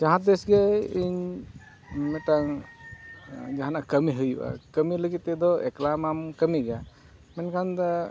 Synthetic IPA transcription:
d͡ʒaɦãt̪̚d̪esɡajiɲ | mɛt̪aŋ | d͡ʒaɦanakəmiɦɯjba̰kəmiləɡit̪ːɛd̪ɔɛklamamkəmiɡa | mɛnkʰand̪a

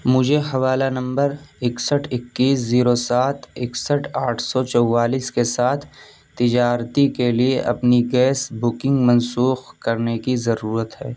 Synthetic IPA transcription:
mʊd͡ʒʱeɦɐʋaːlanɐ̃mbəɾɪksəʈʰɪkːiːsziːɾosaːt̪ʰɪksəʈʰaːʈʰsɔt͡ʃɔwːaːliːskesaːt̪ʰ | t̪ːɪd͡ʒaːɾt̪ikelieʔɐpniɡɛːsbʊkɪ̃ŋɡmɐ̃nsuːxkɐɾnekizɐɾuːɾət̪ɦɛː

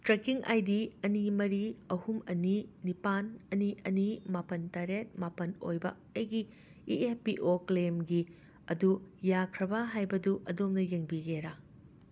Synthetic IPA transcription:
tɾekiŋʔa̰jdiɐnimɐɾiɐhumɐninipanɐniʔɐnimapɐntaɾet̚mapɐnojbɐ | ɐjɡi | iepiʔoklemɡi | ɐdujakʰɾɐbɐɦajbɐduʔɐdomnɐjeŋbiɡeɾa

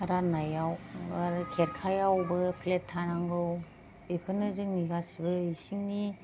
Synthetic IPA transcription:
ɾanajaw | kʰeɾkʰajawbɯpʰletʰːanaŋɡɯw | bepʰɯnɯzɯŋniɡasibɯisiŋni

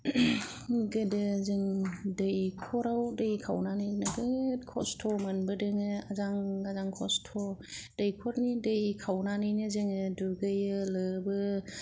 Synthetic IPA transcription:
ɡɯdɯzɯŋdɯjkʰɔɾawdɯjkʰawnanɯnaɡɯkʰɔ̰stʰɔmɯnbɯdɯŋɯazaŋɡazaŋkʰɔ̰stʰɔd̥ɯjkʰɔɾnidɯjkʰawnanɯjnɯzɯŋɯduɡɯjɯlɯbɯ

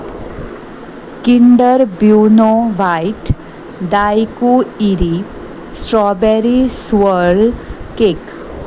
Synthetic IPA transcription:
kiɳɖəɾbjunoʋajʈ | d̪ajkuiɾi | sʈɾɔbeɾiswəɭkek

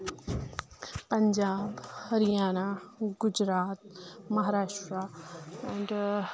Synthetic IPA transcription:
pɐɲd͡ʒaːbhɐɾijaːnaɡʊd͡ʒɾaːt̪̚mɐɦaːɾaːʃʈɾəɛ̃ɳɖ

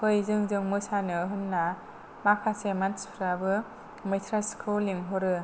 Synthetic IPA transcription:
pʰɯjzɯŋzɯŋmɯsanɯɦɯnːa | makʰasemanspʰɾabɯ | mɯjtʰɾaskʰuliŋɦɔɾɯ

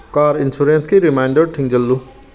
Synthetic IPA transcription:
kaːɾɪnsuɾẽnskiɾimaːɪɳɖəɖ̚ʈʰĩŋd͡ʒɐlːu

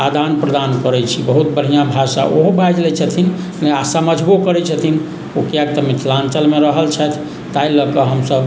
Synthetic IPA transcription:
ad̪anpɾəd̪ankəɾɛt͡ʃʰibəɦut̪̚bəɽ̤ijabʱasa̰ʔoɦobʱajd͡ʒlɛt͡ʃʰət̪ʰin | leasaməd͡ʒʱbukəɾɛt͡ʃʰət̪ʰin | ukjak̚t̪əmit̪ʰlant͡ʃəlmeɾəɦəlt͡ʃʰɛt̪ʰ | t̪ailəkəɦəmsəb

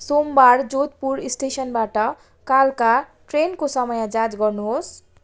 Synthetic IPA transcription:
sombaɾd͡zot̪puɾisʈesʌnbaʈʌ | kalka | ʈrenkosʌmʌjãd͡zad͡zɡʌrnuɦos

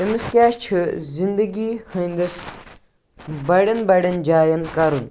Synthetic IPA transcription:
ɐmiskʲaːʃt͡ʃʰɨzind̪ɐɡiːhɐnd̪ɐs | bɐɽɐnbɐɽɐnd͡ʒaːjɐnkɐɾun

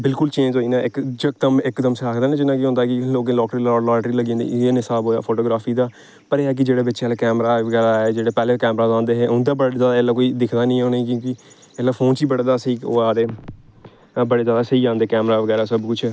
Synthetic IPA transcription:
bɪlkʊlt͡ʃẽːɲd͡ʒɦoːiːnãːɪkd͡ʒɪkd̪əmɪkːd̪əmseaːkʰd̪aːnẽːd͡ʒɪnãːkiɦʊ̃nd̪aːkɪloːk̬ẽːlɔːkʈɾilːlɔːʈɾiːləɡĩːnd̪ḭːeːnɪsaːbɦoːja̰ːpʰoːʈoːɡɾaːpʰiːd̪aː | pəɾeːaːk̬ɪd͡ʒeːɽeːbɪːt͡ʃaːleːkɛːmɾaːeʋəɡɛːɾaːeːd͡ʒeːɽeːpɛːleːkɛːmɾaːzãːnd̪eːɦeːɦʊ̃nd̪aːbəɽezjaːd̪aeːlːaːkoːiːd̪ɪkʰd̪aːnĩːõːneːiːkĩːkɪ | eːlːaːpʰoːnt͡ʃiːbəɽd̪aːsiːoːaːɾeː | bəɽeːzjaːd̪aːsəiːãːnd̪eːkɛːmɾaːʋəɡɛːɾaːsəbkʊt͡ʃʰ

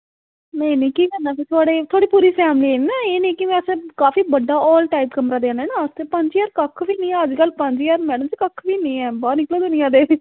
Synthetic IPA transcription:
nə̃inĩːkiːkənːaːpɪt̪ʰoaːɽeːt̪ʰoːɽiːpuːɾiːpʰɛːmliːenaːeːnĩːkɪmɛ̃ːəsẽkaːfiːbəɖːaːʔɔːlʈaːɪpkəmɾaːd̪ẽːnɛːnãːəst̪eːpəɲd͡ʒjaːɾkəkʰʋiːnĩːɛ̃əd͡ʒkəlːpə̃ɲd͡ʒjaːɾmɛːɽəmd͡ʒiːkəkʰːʋiːnĩːɛ̃ːbaːnɪkloːd̪ʊnɪjãːd̪eː

